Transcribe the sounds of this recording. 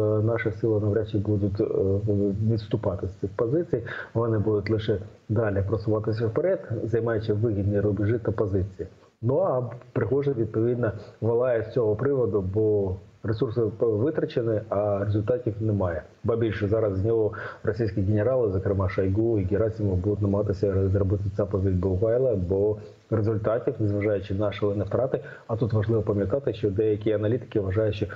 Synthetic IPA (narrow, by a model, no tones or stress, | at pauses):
nɑʂɐsʲilˠɐnɐʋɾʲat͡ʃːɪbud̪ʊt̪ | nʲɪst̪ʊpɑt̪ɪsʲt̪ɨxpɐzɪt̪sɨjvɐnɪbud̪ʊt̪lˠɨʂɛ | d̪alʲɪpɾɐsʊʋɑt̪ɪs̬ʲɐfpɐɾʲɛt̪zɐjmajɪt͡ʃːɪʋɪɣʲid̪ʲnɐɾʊbʲɪʐɪt̪ɐpɐzɪt͡ssʲɨjɪ | noɐpɾɪxoʐɛʋʲid̪̚pɐʋʲid̪nɐʋɐlˠɑjɛfsʲɔɦopɾɪʋɐd̪ʊbo | ɾɛsursɪʋɪt̪ɾɐt͡ʃenɪɐɾezʊlʲt̪ɑtʲiwnɛmɑjɛ | bɐbʲilʲʃɛzɑɾɐzzʲnʲɔɦɔrɔsʲijsʲkʲiɡʲɪnʲeɾɑlˠɪzɐkɾɪmɑʃɐjɡuiɡʲɪɾasʲimʊbud̪ʊtʲnɐmɐɦɑt̪ɪsʲɐzrɐbɪt̪ɪt͡sʲapɐzʲid̚ʲbɐʊkɑjlˠɐbɔ | ɾezʊlʲt̪ɑtʲiwnɛzʋɐʐɑjʊt͡ʃɪnɑʃlˠɛnɛft̪ɾɑt̪ɪ | ɐt̪ut̪ʋɐʐlˠɪʋɐpɐmʲjɐt̪ɑt̪ɪʃt͡ʃɔd̪ɛjɐkʲiɐnɐlʲit̪ɪ̥kɪʋɐʐɑjʊʃt͡ʃe